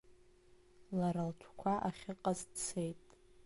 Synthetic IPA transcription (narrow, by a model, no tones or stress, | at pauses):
laɾalt͡ʃʷʰkʷʰaʔaχʲɪqʼazdt͡sʰe̞jtʼ